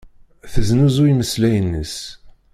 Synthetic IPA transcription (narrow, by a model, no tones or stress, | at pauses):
θəznuzʊiməslæjənːəs